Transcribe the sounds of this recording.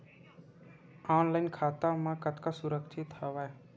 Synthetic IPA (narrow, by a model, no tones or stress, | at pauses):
aːnlaɪnkʰaːt̪amãkət̪kasʊɾəkt͡ʃʰit̪həʋaːe